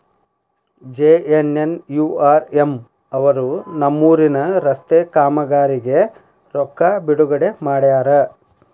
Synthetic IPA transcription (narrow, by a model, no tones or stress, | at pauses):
d͡ʒeːenenjuːaːɾem | ɐʋɐɾunɐmːuːɾinɐɾɐst̪eːkaːmɐɡaːɾiɡe̞ | ɾɔkːabiɽuɡɐɽe̞maːɽjaːɾɐ